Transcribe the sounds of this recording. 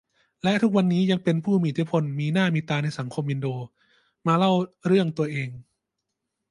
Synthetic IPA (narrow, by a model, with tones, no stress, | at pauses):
lɛ˦˥ʔt̪ʰu˦˥k̚wa˧nːiː˦˥ja˧ŋpe˧npʰuː˥˩miː˦˧˨t̪ʰi˦˥pʰo˧nmiː˧naː˥˩miː˧t̪aː˧na˧jsa˩˦ŋkʰo˧mʔi˧ndoː˧ | maː˧la˥˩wɾɯ˥˩əŋt̪u˧ɐʔeː˧ŋ